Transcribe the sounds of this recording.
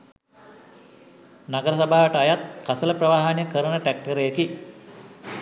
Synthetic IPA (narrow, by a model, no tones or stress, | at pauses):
naɡəɾəsabaːʋəʈəajat̪̚kasələprɐʋaːɦanjəkəɾənəʈæk̚ʈəɾəjeki